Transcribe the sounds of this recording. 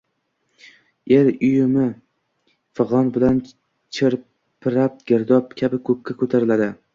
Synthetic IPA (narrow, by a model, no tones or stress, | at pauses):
eɾʊjʊmɪ | fɨʁɒnbɪlan | t͡ʃʰɪɾ | pʰɪɾap̚ɡʲeɾd̪ɒp̚kʲʰabɪkʰɵkʲːakʰɵt̪ʰaɾɪlad̪ɪ